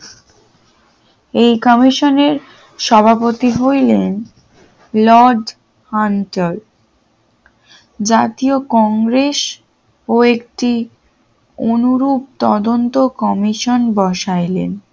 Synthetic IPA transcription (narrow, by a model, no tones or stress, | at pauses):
ejkɔmiʃoneɾ | ʃɔbʱapot̪iɦojlen | lɔɖ | hanʈol | d͡ʑat̪iokɔŋɡɾes | oekʈi | onuɾup̚t̪ɔd̪ont̪okɔmiʃonbɔʃajlḛn